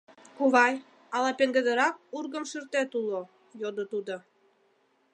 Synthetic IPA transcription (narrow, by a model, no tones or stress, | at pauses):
xuβɑj | ɑlɑpeŋɡə̆d̪ə̆ɾɑk̚urɣə̆mʃyrt̪et̪ulo | jod̪ot̪ud̪o